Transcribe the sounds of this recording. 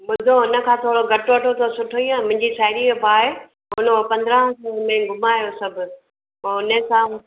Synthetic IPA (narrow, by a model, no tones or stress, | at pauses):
mʊd̪ʱoɦʊnə̆kʰãːt̪ʰoːɽoɡʱɐʈoʋɐʈot̪ʰosʊʈʰoiãmʊ̃ɦɪ̃ɲd͡ʑisaːɪɾibʱaːe | ɦʊnopɐ̃nd̪əɾə̃ɦsɐlmẽɡʊmaːjosɐbʱʊ | ʊnəkã